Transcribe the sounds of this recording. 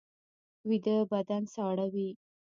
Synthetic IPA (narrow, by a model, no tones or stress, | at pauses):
wid̪əbad̪ansɑɽawi